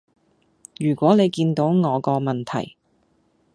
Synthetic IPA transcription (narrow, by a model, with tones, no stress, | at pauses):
jyː˨˩kʷɔː˨˥ne˨˧jkiː˧nt̪o˨˥wŋɔː˨˧kɔː˧mɐ˨nt̪ʰɐ̰˨˩j